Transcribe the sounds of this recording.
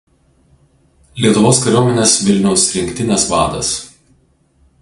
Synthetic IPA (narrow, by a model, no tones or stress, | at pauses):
lʲiɛt̪ʊʋoːskɐɾʲoːmʲɛnʲeːsʋʲɪlʲnʲɛʊsʲɾʲɪŋʲkʲt̪ʲɪnʲɛsʋɑ̰ːd̪ɐ̰s